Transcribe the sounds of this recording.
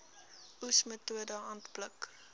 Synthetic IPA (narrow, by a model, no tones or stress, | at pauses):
ʔusmətuədəɑːntblək